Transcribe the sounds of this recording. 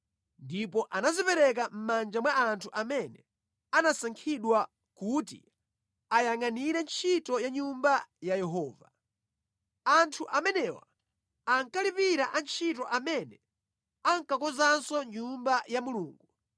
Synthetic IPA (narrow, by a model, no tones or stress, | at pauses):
ndipɔʔanazipɛɾɛk̬am̩mand͡ʒamwaantʰuʔamɛnɛ | anasaŋkʰiɗwa | kutḭ | ajaŋaniɾɛnt͡ʃʰitɔjaɲumbajajɛɦɔːva̰ | antʰuʔamɛnɛwa̰ | aŋkalipiɾaʔant͡ʃʰitɔʔamɛnɛ | aŋkakɔzansɔɲumbajamuluːŋɡu